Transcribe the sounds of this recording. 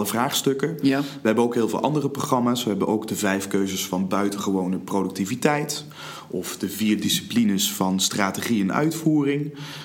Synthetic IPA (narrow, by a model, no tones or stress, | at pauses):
ləvraːχstɵkəʋəɦɛbənowkɦɪːlˠvḛlˠʔɑ̰ndərəproχrɑmaːsʋəɦɛbənʔowɡdəvɛjfkøɥzəsfɑnbœɥtəχəʋownəprodɵk̚tivitɛjt | ɔfdəviːrdisi̥plinəsfɑnstraːteχiɛnœ̰ɥtfuːrɪŋ